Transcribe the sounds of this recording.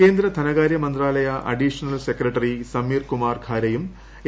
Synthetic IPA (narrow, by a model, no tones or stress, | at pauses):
ke̞ːnd̪ɾɐt̪ʰɐnɐɣaːɾjɐmɐnd̪raːlɐjɐʔɐ̰ɖiʂɐnɐlsekɾɐʈːɐrisɐmiːrkumaːrkʰaːɾɐjum